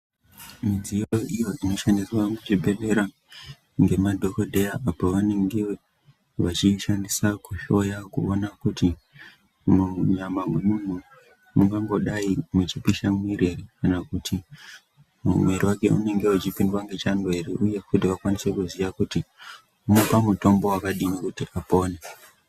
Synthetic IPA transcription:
mid͡zijoijo̞ʔino̞ʃandiswamut͡ʃibʱe̞ʋe̞ɾa | ŋɡe̞madʱo̞kodʱe̞jaʔapoʋane̞ŋɡe | ʋat͡ʃiʃandisakuʃo̞jakuonakuti | muɲamamwe̞mum̤u | muŋɡaŋɡo̞ɗaimet͡ʃipiʃamwiɾerikanakuti | mṵmwe̞ɾiwake̞ṵne̞ŋɡe̞ut͡ʃipindwaŋɡe̞t͡ʃandoeɾeʔuje̞kudiʋakwanise̞kuziʋakuti | umopamuto̞mbo̞wakaɗinokutiʔapoːne

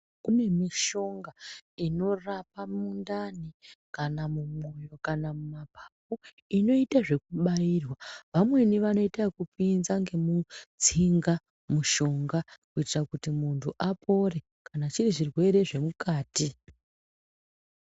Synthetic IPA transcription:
kune̞miʃo̞ŋɡaino̞rapamundanikanamumo̞jo̞kanamumapapu | ino̞itaʐe̞kuɓaiːrwaʋamwe̞niʋano̞itakupinzaŋɡe̞mut͡siŋɡa | muʃo̞ŋɡakuitirakutimuntʰuʔapʰo̞re̞ | kanat͡ʃiriʐirwe̞ɾe̞ʐe̞mukaːti

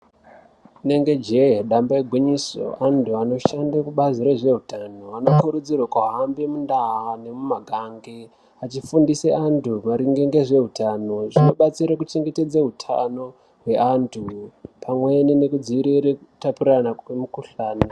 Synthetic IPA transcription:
ne̞ŋɡe̞d͡ʒeɗambaeɡʱwiɲiso̞̰andʰuano̞ʃandakuɓaziɾe̞ʐe̞ɦutano̞anokuɾud͡zirwakwaɦambemundaɦane̞mumaɡʱaŋɡe | at͡ʃifundiseʔantumaɾiŋɡeŋɡe̞ʐe̞ɦutano̞ʐino̞ɓat͡siɾakut͡ʃe̞ŋɡe̞te̞d͡zaɦutʰa̰no̞ | ɦwe̞antʰupʰamwe̞nine̞kud͡ziiɾiɾekutapiɾanaemukuɬaːna

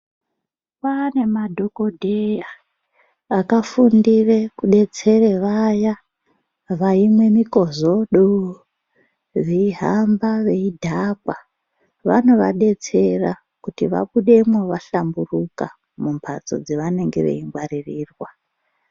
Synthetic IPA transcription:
pane̞madʱo̞ko̞dʱeja | akafundire̞kuɗe̞t͡se̞reʋaja | ʋaimwe̞miko̞zo̞ɗo | ʋeiɦambaʋe̞idʱakwa | ʋa̰no̞ʋa̰ɗe̞t͡se̞ra | kutiʋa̰ɓuɗe̞mwoʋaɬamburuka | mumpʰa̰t͡so̞̰d͡zeʋane̞ŋɡe̞̰ʋḛiŋɡwaririːrwa

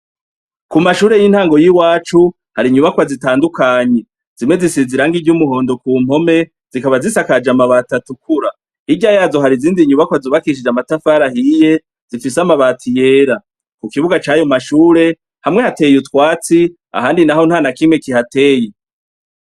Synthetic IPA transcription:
kumaʃuːɾe̞jin̥haːŋɡo̞jiwaːt͡ʃu | haɾiɲuβakwazitaːndukaːɲe̞ | z̥imwe̞zisiziɾaŋɡiɟumuɦo̞ːndo̞kuːm̥ho̞me̞ | z̥ikaβazisakad͡ʒamaβatatukʰuɾa | iɟajaːzo̞ɦaɾiziːndiɲuβakwazuβakiiʃ̬id͡ʒamatafaɾahije̞ | z̥ifis̬amaβatʰije̞ːɾa | kukiβuɡat͡ʃajomaʃuːɾe̞ | hamŋe̞hate̞jutwaːt͡si | a̰ɦaːndinaho̞nhaːnakimŋe̞kihate̞ːje

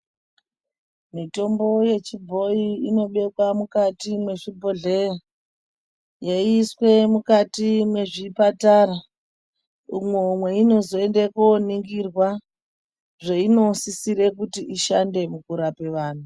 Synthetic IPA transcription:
mito̞mbo̞je̞t͡ʃibʱo̞jiino̞ɓe̞kwamukatimwe̞ʐibʱo̞ɮera | jaiːswe̞mukatimwe̞ʐipataɾa | umwemweino̞zo̞e̞ndekoniŋɡirwa | ʐeino̞sisiɾe̞k̬utiʔiʃande̞mukuɾape̞ʋaːn̤u

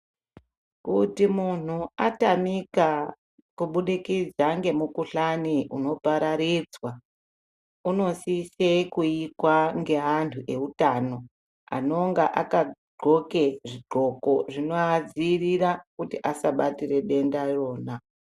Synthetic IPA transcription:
kutimun̤uatamika | kuɓuɗikid͡zaŋɡe̞mukuɬaniʔuno̞paɾaɾid͡zwa | uno̞sisekuikwaŋɡe̞ɦantʰuʔe̞utaːno̞ | a̰no̞ŋɡaʔa̰kaɡ͡ǃʱo̞keʐiɡ͡ǃʱo̞ko̞ʐinoad͡ziːriɾakutiʔasaɓatire̞ɗe̞ndaro̞ːna

